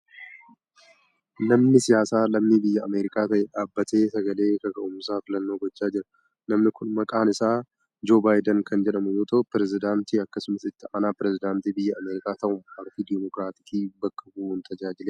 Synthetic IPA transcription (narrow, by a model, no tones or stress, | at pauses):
nɐmnɪsɪjaːsaːlɐmnibɪjːɐːmeːɾɪkʼaːt̪ɐʔɛᶑaːbːɐt̪e̞ːsɐɡɐle̞ːkɐɡɐʔʊmsaːfɪlɐnːo̞ːɡɔt͡ʃːaːd͡ʒɪɾɐ̥ | nɐmnɪkʊnmɐkʼaːnɪsaː | d͡ʒo̞ːbaːjd̪ɐŋkʰɐnd͡ʒɛᶑɐmʊjoːt̪ʰʼɐʔʊpɪɾɛzɪd̪aːnt̪iːɐkːɐsʊmɐsɪt̪ːɪʔɐnaːpɪɾɛzɪd̪aːnt̪iːbɪjːɐʔɐmeːɾɪkʼaːt̪ɐʔʊmɐɾfiːd̪ɛmɔkɾaːt̪ɪkiːbɐkːɐbuunt̪ʰɐd͡ʒaːd͡ʒɪleː